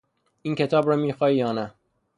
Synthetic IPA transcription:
iːncʰe̞t̪ʰɒːbɾɒːmiːxɒːiːjɒːnæ

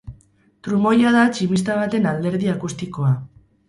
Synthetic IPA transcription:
t̪ɾumo̞jað̞at͡ʃimist̪aβ̞at̪e̞nald̪e̞ɾðiakust̪iko̞a

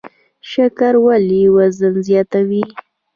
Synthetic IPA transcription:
ʃakaɾwaliwazənzjɑt̪awi

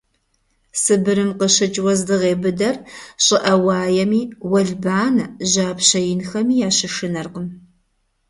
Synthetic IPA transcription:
sɨbɨɾɨmqəɕɐt͡ʃʼwɐzdɨʁeːbɨdɐrɕʼɪʔɐwɑːjɛmiːwɐɮbaːnʑaːpɕɐjɪnxɐmiːjaːɕɪʂɨnɐrqəm

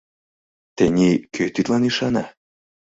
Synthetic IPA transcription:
t̪enʲikʲøjt̪yt̪lɑniʃɑnɑ

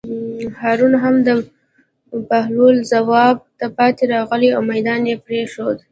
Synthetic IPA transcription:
hɑɾunɦamd̪ə | pahlulzawɑb̚t̪apɑt̪eɾɑɣəliawmajd̪ɑnjepɾeʃod̪

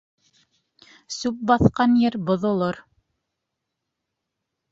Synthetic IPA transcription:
sʉp̚bɑθqɑnjɘɾbŏðŏlˠoɾ

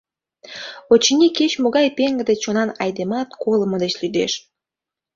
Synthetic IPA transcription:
ot͡ɕinʲiket͡ɕmoɣɑjpeŋɡə̆d̪et͡ɕonɑnɑjd̪emɑt̪̚koləməd̪et͡ɕlyd̪ḛʃ

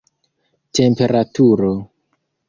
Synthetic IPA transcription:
te̞mpe̞ɾatuɾo

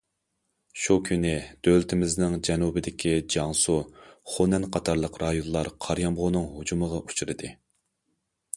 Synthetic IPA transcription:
ʃukʲʰynɪd̪̥ølt̪ʰɪmɪznɪŋd͡ʒɛnubɪd̪ɪkʲʰid͡ʒɑŋsuχonɛnqʰɑt̪ʰɑɾlˠəqɾɑjonˠlˠɑɾqʰɑɾjɑmʁʊnɨŋhud͡ʒuməʁɑʔu̥t͡ʃʰuɾɨd̪ɨ

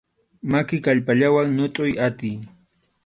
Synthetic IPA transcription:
makɪkaʎpaʎawaŋɲʊt̪ʼʊjat̪ɪj

